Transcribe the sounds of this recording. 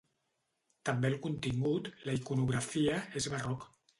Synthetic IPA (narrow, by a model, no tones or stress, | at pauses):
t̪ambelkunt̪iŋɡut̪laikunuɣɾafiaezβarɔk